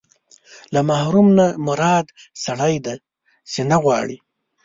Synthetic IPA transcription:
lamahɾumnamʊɾɑd̪ | saɽajd̪a | senaɣwɑɽi

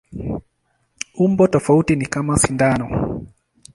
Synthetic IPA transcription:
umbɔtɔfautinikamasindanɔ

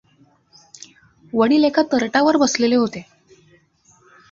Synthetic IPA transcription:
ʋəɽ̃iːlekʰat̪əɾʈaʋəɾbəsleleɦot̪e

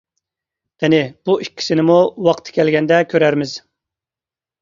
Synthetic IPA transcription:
d̪̥ɪnɪb̥uʔikʲʰːi̥sɪnɪmuwɑqt̪ʰːɨ̥kʲɛlɡʲɛnd̪ɛkʲʰøɾæɾmɪz̥

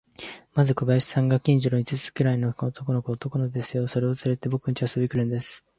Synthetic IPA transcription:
mazɨkɯ̟baiɕi̥sãŋɡakʲĩɲ̟d͡ʑoɾoɲit͡sɨt͡sɨ̥kɯ̟ɾaino̞ot̪o̞konokɯot̪o̞konod̪e̞sɨjo̞so̞ɾe̞o̞t͡sɨɾe̞t̪e̞bo̞k̟ɲ̟it͡ɕiasobʲikɯɾɯ̟nd̪e̞sɨ̥

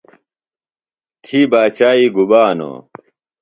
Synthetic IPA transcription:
t̪ʰibaːt͡ɕaːiːɡubaːno̰

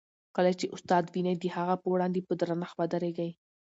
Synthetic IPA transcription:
kəlat͡ʃeʔʊst̪ɑd̪winad̪əhaɣapəwɽɑnd̪epəd̪ɾanaxbad̪aɾeɡaj

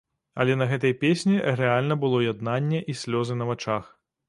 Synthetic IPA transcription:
ɐ̰lʲɛnɐɣɛt̪ɐjpʲesʲnʲiɾɛalʲnɐbɨlˠɔjad̪nanʲːɛʔisʲlʲɔzɨnɐvat͡ʂax

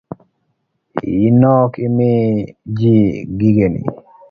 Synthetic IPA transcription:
inɔkɪmɪd͡ʒiɡiɡenḭ

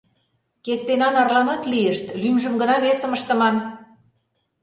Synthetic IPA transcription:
kest̪enɑnɑrlɑnɑt̪lieʃt̪lymʒə̆mɡə̆nɑβesə̆məʃt̪ə̆mɑn

